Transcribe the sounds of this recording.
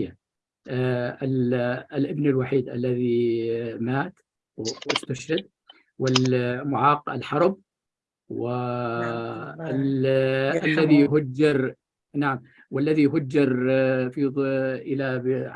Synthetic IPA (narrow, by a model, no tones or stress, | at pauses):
a | lʔɪbnalwaħiːd̪ʔa̰lːaði | maːt̪ | ɪst̪ʊʃad̪̚ | wɪlmʊʕɑːqa̰lħɑɾˤb̚ | wɪ | ʔalːaðijɦʊd͡ʒːɪɾˤ | naʕam | walːaðijɦʊd͡ʒːɪɾˤfiʔɪla